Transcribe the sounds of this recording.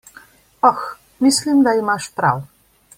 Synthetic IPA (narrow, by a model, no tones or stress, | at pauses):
ɑx | mislʲind̪ɑjmɑʃp̪ɾɑ̰w